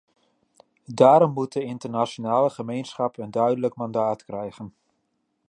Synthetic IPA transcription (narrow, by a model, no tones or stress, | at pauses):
daːɾɔmːut̚dəɪntəɹnaʃonaːləχəmejnsχɑpəndœɥdələkmɑndaːtkrɛjχən